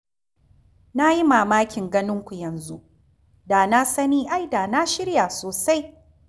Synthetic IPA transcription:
na˦ji˦maː˨maː˦kʲɪ˨ŋɡɐ˦nɪ˦ŋkʷu˨jɐ˨nzu˦ʔ | daː˨na˦sɐ˦niː˦ʔa˦jdaː˨na˦ʃɪ˦ɽja˨soː˨sa˦j

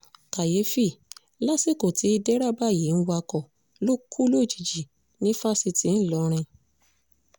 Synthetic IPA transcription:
ka˨je˨˦fi˦˨ | la˦si˦˨ko˨ti˨˦i˧dɛ˦ɾa˦˨ba˦˨je˨˦n̩˦wa˧kɔ˨ | lo˦kʰu˦lo˦˨d͡ʒi˨d͡ʒi˨ | nĩ˦fa˦˨si˧ti˨˦n̩˦˨lɔ˧˦ɾ̃ĩ˧

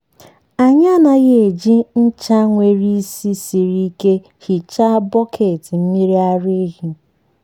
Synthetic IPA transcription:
a˨ɲa˦na˨ɣe˨d͡ʒi˦n̩˦t͡ʃa˦ŋʷe˨ɾi˦si˦si˨ɾi˦ke˦ | hi˨t͡ʃa˦bɔ˦kʰe˨ti˨m̩˦mi˦ɾi˦a˦ɾe˦ɣi˨

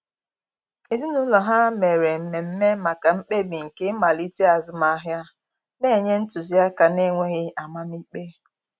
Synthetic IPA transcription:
e˨zi˦nu˦lɔ˨ɦa˦me˨ɾe˨m̩˨me˨m̩˦me˦ma˨ka˨m̩˦k͡pe˦˨bi˨ŋ̩˨ke˦ma˨li˦te˦a˨zʊ˦ma˦ɦja˦ | ne˦˨ɲe˦n̩˦tu˨zi˦a˦ka˨ne˦˨ŋʷe˦ɣɪ˦a˨ma˦m̩˦i˦k͡pe˦

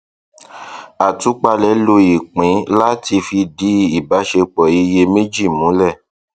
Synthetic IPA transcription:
a˨tu˨˦k͡pa˧lɛ˨˦lo˧i˨k͡pĩ˨˦la˦tʰi˧fi˧di˨˦i˦˨ba˨˦ʃe˧k͡pɔ˨i˧je˧mẽ˦d͡ʒi˦˨mũ˨˦lɛ˦˨

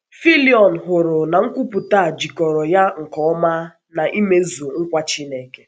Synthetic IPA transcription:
fi˦li˨ɔ˨n̩˨ɦʊ˨ɾʊ˨na˨ŋ̩˦kʷu˦pu˨ta˦a˨d͡ʒi˨kɔ˨ɾɔ˨ja˦ŋ̩˨kɔ˦ɔ˦ma˦ | na˨ʔi˦me˦zu˨ŋ̩˦kʷa˦t͡ʃi˦ne˨ke̥˦

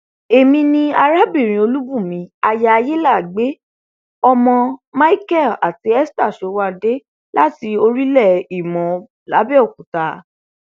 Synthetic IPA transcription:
e˨mĩ˧nĩ˧a˧ɾa˦bi˦˨ɾ̃ĩ˨˧o˧lu˦bu˦˨mĩ˧˦a˧ja˧a˧je˦la˦˨ɡ͡be˨˦ | ɔ˧mɔ̃˧ma˦i˦kɛ˦˨la˨ti˨˦ɛ˦sta˦˨ʃo˨˦wa˦˨de˦ | la˦ti˧o˧ɾi˦lɛ˦˨i˨mɔ̃˨ | la˨˦bɛ˦ɔ˨k̚ũ˨ta˨˦

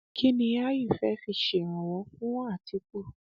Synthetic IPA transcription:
kʰi˦nĩ˧a˦ji˦˨fɛ˦fi˧˨ʃe˨ɾ̃ɔ̃˨wɔ̃˧˦fũ˦w̃ɔ̃˦a˦˨ti˧˦k͡po˦˨

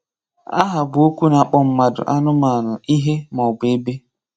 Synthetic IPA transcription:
a˦ɦa˨bʊ˨o˦kʷu˦na˨k͡pɔ˦m̩˦ma˨dʊ̰˨ʔa˦nʊ˦ma˨nʊ˨i˦ɦe˦mɔ˨ʊ˨ɡ͡be˨e˦be˦

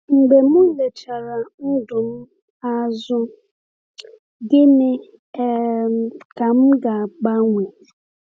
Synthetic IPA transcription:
m̩˨ɡ͡be˨mʊ̃˦le˨t͡ʃa˨ɾa˨n̩˦dʊ˨m̩˦ | a˦zʊ˦ | ɡɪ˦nɪ˨ | ɛ˨ | ka˨m̩˦ɡa˨k͡pa˦ŋʷi˨

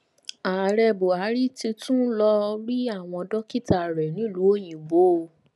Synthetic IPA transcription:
a˨ɾɛ˧bo˨a˨˦ɾi˦ti˧tũ˦lɔ˧ɾi˦a˦˨w̃ɔ̃˧dɔ˦ki˦˨ta˨ɾɛ˨nĩ˨˦lu˨˦o˦j̃ĩ˨bo˨˦˨

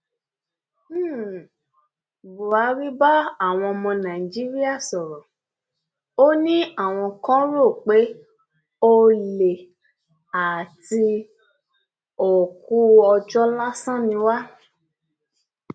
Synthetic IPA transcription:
bu˨a˨˦ɾi˦ba˦a˦˨w̃ɔ̃˧mɔ̃˧nã˨i˨d͡ʒi˦ɾi˦a˦˨sɔ˨ɾɔ̃˨ | o˦nĩ˦a˦˨w̃ɔ̃˧kã˦ɾo˦˨k͡pe˨˦ | o˦le˨ | a˨ti˧ | o˨ku˦ɔ˧d͡ʒɔ˦la˦sã˦nĩ˧˦wa˦

